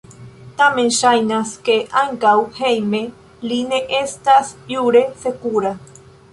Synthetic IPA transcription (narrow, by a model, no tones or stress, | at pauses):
t̪amẽnʃajnaskeʔaŋɡawhejmẽ | lineʔest̪asjuɾesekuɾa